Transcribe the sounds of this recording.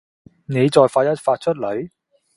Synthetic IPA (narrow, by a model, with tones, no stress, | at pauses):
ne˨˧jt͡sɔː˨˧jfaː˧t̚jɐ˥t̚faː˧t̚t͡ʃʰɵ˥t̚lɵ˨˥ɥ